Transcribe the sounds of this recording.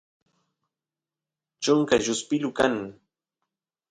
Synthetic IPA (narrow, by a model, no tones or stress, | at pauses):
t͡ʃʊŋkaʒʊspɪlʊkaŋ